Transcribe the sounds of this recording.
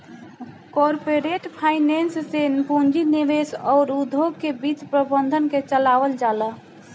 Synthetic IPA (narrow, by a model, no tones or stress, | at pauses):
kɔɾpeɾeʈpʰainenssenpund͡ʒiniʋesɔɾud̪ʱoɡ̚kebit͡ʃpɾəbənd̪ʱənket͡ʃəlabəld͡ʒalə